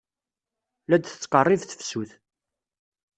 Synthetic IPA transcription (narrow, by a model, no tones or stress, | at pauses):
læd̪θə̥t͡sːqərˤːɪvθə̥fsuθ